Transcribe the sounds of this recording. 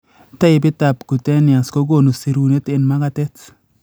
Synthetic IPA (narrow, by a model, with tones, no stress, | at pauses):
ta˦ɪ˨bɪ˦ta˨pku˨tɛ˦nɪ˨a˨sko˦ɡo˨nu˨si˨ɾu˨ne˦tɪ˨nma˦ka˦tɛ˦t